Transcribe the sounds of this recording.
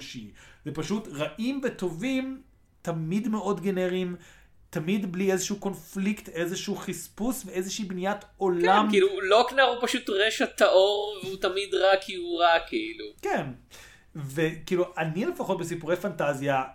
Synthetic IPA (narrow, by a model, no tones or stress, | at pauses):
ʃizepaʃutʁaʔimveto̞vim | tamidme̞ʔo̞dɡeneʁim | tamidbliezeʃɛuko̞nflikte̞zeʃuuχispusvee̞zeʃiːbnijato̞lammkiluloknaʁupaʃutʁeʃat̪aʔoʁveut̪amidʁakʰiuʁakeiluken | vekiːluʔanile̞faχo̞tbes̬ipuʁejfantazja